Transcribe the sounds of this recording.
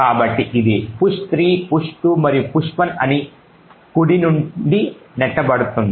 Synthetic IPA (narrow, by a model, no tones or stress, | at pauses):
kaːbɐʈːiʔid̪ipuʂt̪ɾiːpuʂʈumɐɾijupuʂʋɐnɐni | kuɽinuɳɖinɛʈːɐbɐɽut̪und̪ii